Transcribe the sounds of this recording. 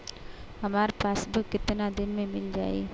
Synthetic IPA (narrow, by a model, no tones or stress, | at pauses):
ɦɐmaːɾepaːsbɪkɪt̪nad̪ɪnmẽmɪld͡ʒa̰ːḛː